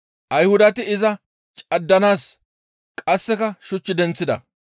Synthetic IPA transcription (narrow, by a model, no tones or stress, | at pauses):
ʔɐjhʊd̪ɐt̪ɪɪzɐ | t͡ʃʼɐd̪ːɐnaːs | kʼɐsːɛkɐʃʊt͡ʃːɪd̪ɛnt͡sːɪd̪ɐ